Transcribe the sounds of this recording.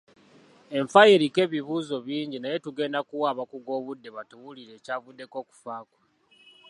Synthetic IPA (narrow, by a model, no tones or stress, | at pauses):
e̞ɱfajiɾike̞ːβiβuːzo̞βiːɲɟinaje̞tuɡe̞ːndakuwaːβakuɡo̞ːβudːe̞βatuwuliɾe̞ːcaːvudːe̞ko̞ːku̥faːkwa